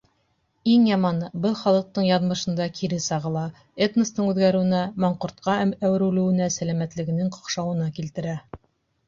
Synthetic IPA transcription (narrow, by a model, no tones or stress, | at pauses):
iŋjɑmɑnɤbɤlˠχɑlˠɤ̆q̚t̪ɤɴjɑðmɤ̆ʃɤ̆nd̪ɑkʰiɾɘsɑʁɤ̆lˠɑ | et̪nə̆st̪ɤɴʉðɡæɾɘ̆wɘ̆næmɑɴqŭɾt̪̚qɑæmæwɘ̆ɾʉlɘ̆wɘ̆næsælæmæt̪lɘ̆ɡɘ̆nɘŋqŏ̥qʃɑwɤ̆nɑkilt̪ɘ̆ɾæ